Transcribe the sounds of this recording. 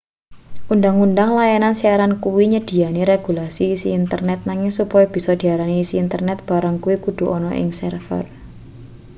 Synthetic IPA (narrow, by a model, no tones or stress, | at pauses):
ʔundaŋundaŋlajanansiaɾankuwiɲəd̥i̤aniɾeɡ̥ṳlasiːsiːnt̪ərnɛt̪̚naŋɪŋsupɔjɔb̥i̤sɔd̪̥i̤aɾaniːsiːnt̪ərnɛt̪̚b̥a̤ɾəŋkuwikud̪̥ṳʔɔnɔʔɪ̰ŋsɛrfə̰r